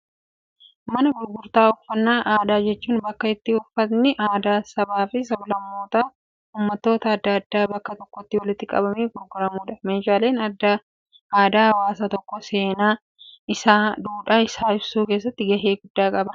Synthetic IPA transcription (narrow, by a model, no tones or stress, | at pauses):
mɐnɐɡʊɾɡʊɾt̪aːʊfɐnːaːʔaːd̪aːd͡ʒɛt͡ʃːuːnbɐkːɐɪt̪ːɪʊfɐt̪nɪʔaːd̪aːsɐbaːfɪsɐblɐmːo̞ːt̪a | huːmːɐt̪ːo̞ːt̪ɐːd̪ːɐɐd̪ːaːbɐkːɐt̪ɔkːɔt̪ːɪwɐlɪt̪ːɪkʼɐ̰bɐmeːɡʊɾɡʊɾɐmuːᶑɐmeːʃaːle̞ːnɐd̪ːa | aːd̪aːɐwaːsaːt̪ɔkːɔse̞ːnaː | ɪsaːd̪uːᶑaːɪsaːɪbsuːke̞ːs̬ːɐt̪ːɪɡɐɦe̞ːɡʊd̪ːaːkʼɐbɐ